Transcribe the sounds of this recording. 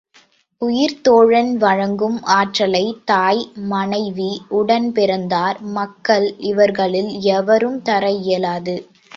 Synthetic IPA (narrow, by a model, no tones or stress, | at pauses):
ʊjɪɾt̪oːɻɐnʋɐɻɐŋɡɯmaːʈrɐlɐɪt̪aːjmɐnɐɪʋiʊɽɐnpɪɾɐnd̪aːɾmɐkːɐɭɪʋɐɾɣɐɭɪlɛʋɐɾɯmt̪ɐɾɐjɛlaːðɯ